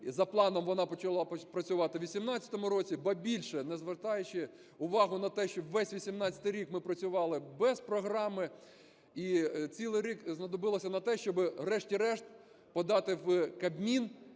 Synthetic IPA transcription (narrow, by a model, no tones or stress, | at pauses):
zɐplˠɑnɔmʋɔnɑpɔt͡ʃɐlˠɑpɾɐt͡sʲʊʋɑt̪ɪʋʲisʲimnɑt͡sʲɐ̥t̪ɔmʊɾɔt͡sʲibɐbʲilʲʃɛnɛzʋɪrt̪ɑjʊt͡ʃɪ | ʊʋɑɦʊnɐt̪ɛʃt͡ʃɔwːɛsʲʋʲisʲimnɑt͡sʲɐ̥t̪ɪjɾʲikmɪpɾɐt͡sʲʊʋɑlˠɪbɛzpɾɔɦɾɑmɪ | it͡sʲilˠɪjɾʲikznɐd̪ɔbɪlˠɔsʲɐnɐt̪ɛʃt͡ʃɔbɪrɛʃtʲiɾɛʃt̪ | pɔd̪ɑt̪ɪwkɐbmʲin